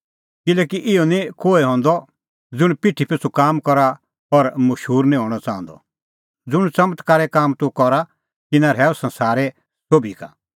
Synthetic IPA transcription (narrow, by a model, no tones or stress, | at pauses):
kɪlɛːkiʔɪɔnĩkoːeɦɔ̃ːnd̪ɔ | d͡zʊɽ̃piʈʰːipʰɪsukaːmkɔɾa | ɔɾmɐʃɦuːɾnĩɦɔ̃ːɽ̃ɔt͡sãːɔ̃nd̪ɔ̰ | d͡zʊɽ̃t͡sɐmt̪kaːɾɛkaːmt̪ukɔɾa | t̪ɪnãɾɛːɔsɐ̃nsaːɾɛ | sobʱika̰